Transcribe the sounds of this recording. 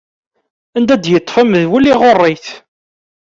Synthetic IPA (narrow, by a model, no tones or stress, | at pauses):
ænd̪æd̪jət̪ːfəməðwəlːiʁorˤːiθ